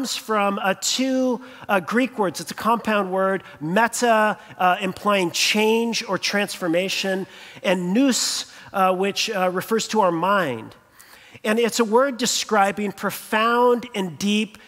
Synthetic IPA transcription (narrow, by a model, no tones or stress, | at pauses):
mz̥fɹʌ̃mtʰʉ | ɡɹikwɜ˞dzɨtsɨkʰɑ̃mpʰãʊ̃nd̚wɜ˞d̚mɛɾəɨ̃mpʰl̥aɪɪ̃ŋt͡ʃʰẽɪ̃nd͡ʒə˞tʰɹ̥æ̃nsfə˞meɪʃɨ̃nɨ̃nːʉs | wɪt͡ʃɹɨfɜ˞z̥tʰəaʊə˞mãɪ̃nd̥ | ɨ̃nɪtsəwɜ˞dɨskɹaɪbɪ̃ŋpʰɹ̥ɨfãʊʊ̃ndɨ̃ndip